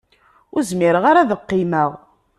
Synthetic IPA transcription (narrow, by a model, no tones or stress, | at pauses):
ʊɾzmɪɾəʁaɾaðəqːiməʁ